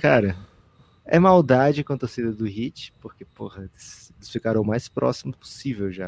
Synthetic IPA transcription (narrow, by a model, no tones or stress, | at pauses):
kaɾɐ | ɛmawd̪ad͡ʒɪkõt̪osid̪ɐd̪ʊhit͡ʃɪ̥poɾkepohɐelɪselɪsfikaɾɐ̃w̃ʊmajspɾʔɔ̰simʊspo̥sivewʒa